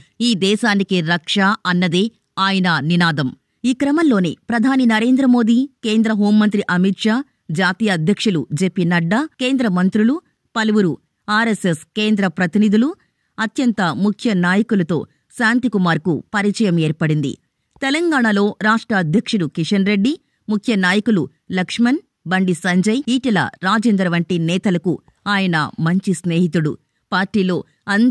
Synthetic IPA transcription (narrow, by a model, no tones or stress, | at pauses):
iːd̪ɛːʃaːnikiɾɐkʂaɐnːɐd̪eː | aːjɐnɐninaːd̪ɐm | iːkɾɐmɐlːo̞ːnḛːpɾɐd̪ʱaːninɐɾe̞ːnd̪ɾɐmo̞ːd̪iːke̞ːnd̪ɾɐɦo̞ːmːɐnt̪ɾiʔɐmit̪ʂaː | d͡ʒaːt̪iːjɐːd̪ʱjɐkʂulud͡ʒeːpːinɐɖːɐke̞ːnd̪ɾɐmɐnt̪ɾulu | pɐluʋuɾu | aːɾese̞ske̞ːnd̪ɾɐpɾɐt̪inid̪ulu | ɐt̪jɐnt̪ɐmukʰjɐnaːjɐkulɐt̪o̞̰ː | saːnt̪ikumaːɾkṵpɐɾit͡ʃɐjɐmeːɾpɐɽind̪ḭ | t̪ɛlɐŋɡaːɳɐlo̞ːɾaːʂʈɾɐːd̪ʱjɐkʂuɽukiʂɐnɾe̞ɖːi | mukʰjɐnaːjɐkulu | lɐkʂmɐn | bɐɳɖisɐɲd͡ʒɐjiːʈɐlɐ̰ɾaːd͡ʒeːnd̪ɾɐʋɐɳʈinɛːt̪ɐlɐkṵ | aːjɐnɐ̰mɐɲt͡ʃisne̞ːɦit̪uɽṵ | paːɾʈːiːlo̞ː | ɐn